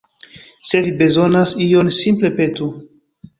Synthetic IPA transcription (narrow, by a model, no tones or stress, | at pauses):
se̞vibe̞zo̞nasio̞nsimple̞pe̞tu